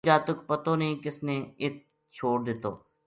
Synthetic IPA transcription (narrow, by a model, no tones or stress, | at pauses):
d͡ʒaːt̪ʊkpət̪oːnəĩːkɪsneːɪt̪̚ | t͡ʃʰoːɽd̪ɪt̪o̰ː